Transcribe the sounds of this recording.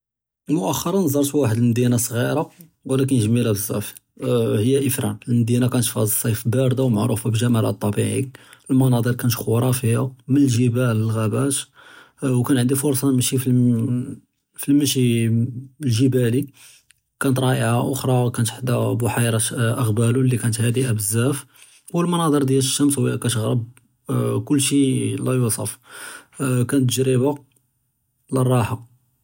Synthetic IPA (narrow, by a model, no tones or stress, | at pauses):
lmʊʔæxːɑɾˤɑnzˤɑɾˤt̪bwaħəd̪əlmd̪inasˤɣiɾˤɑ | wlæk̬ənʒəmːilæbəzˤːæ̰f | həjːæʔəfɾæ̰nəlmd̪inakænt̪fæsˤːɑjfbæɾd̪awmaʕɾˤufabʒæmælʔt̪ˤːɑbiʕḭəlmɑnɑd̪ˤiɾkænt̪xuɾˤɑfiamənəlʒəbæləlɣæbæʃ | wkænʕənd̪ifʊɾˤsˤɑnmʃifi | filmæʃi | lʒəbæli | kænət̪ˤɾˤɑʔəʕaʔʊxɾˤɑkænət̪ħd̪æbʊħajɾˤɑʔəɣbælulːikænət̪hæd̪iʔabəzːæf | wəlmənɑd̪ˤəɾd̪jæləʃːæmshʊwjækæt̪ɣɾəb̚ | kʊlːʃilæjusˤɑ̰f | kænt̪ːʒɾiba | lərˤːɑħa